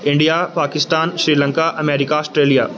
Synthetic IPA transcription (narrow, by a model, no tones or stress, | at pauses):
ɪ̃ɳɖijapaːkɪst̪aːnʃɾiːlə̃ŋkaʔɐmeːɾɪkaɔːsʈɾeːlijaː